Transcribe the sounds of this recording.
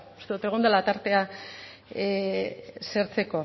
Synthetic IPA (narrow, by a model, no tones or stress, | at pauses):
u̥st̪eðut̪e̞ɣ̞und̪alat̪aɾt̪e̞a | seɾt͡se̞ko̞